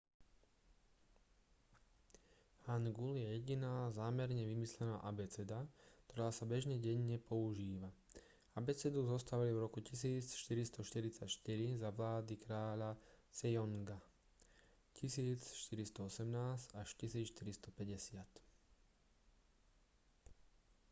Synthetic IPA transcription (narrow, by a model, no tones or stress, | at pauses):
hanɡuljɛjɛɟinaːzaːmɛɾɲɛʋimislɛnaːʔabɛt͡sɛd̪akt̪ɔɾaːsabɛʒɲɛɟɛɲːɛpɔuʒiːʋa | abɛt͡sɛd̪uzɔst̪aʋalivɾɔkucis̬iːt͡sʃt̪iɾist̪ɔʃt̪iɾit͡sacʃt̪iɾizaʋlaːd̪ikɾaːʎasɛjɔŋɡa | cisiːt͡sʃt̪iɾist̪ɔɔsɛmnaːsaʃcisiːt͡sʃt̪iɾist̪ɔpɛɟɛsɪat̪